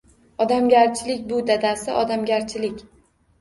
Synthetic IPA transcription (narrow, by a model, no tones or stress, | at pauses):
ɒd̪amɡʲaɾt͡ʃʰɪlɪkʲbʊd̪ad̪asɪʔɒd̪amɡʲaɾt͡ʃʰɪlɪkʲ